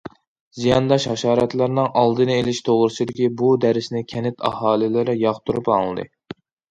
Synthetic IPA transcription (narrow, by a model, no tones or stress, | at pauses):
zijɑnd̪ɑʃhɑʃɑːɾɛt̪lˠæɾnɨŋʔɑlˠd̪ɨnɨelɪʃt̪ʰoʁɾɨsɨd̪ɪkʲibud̪æɾɪsnɪkʲʰɛnɪt̪ʰɑ̰hɑːlɪlɪɾɪjɑχt̪ʰuɾupɑŋlˠɨd̪ɨ̰